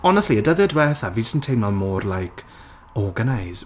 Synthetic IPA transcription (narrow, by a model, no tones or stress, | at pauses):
ɔnəstliədəðɛdwɛθavisəntʰejnɔlˠmɔːrlajkʰ | ɔɡənajz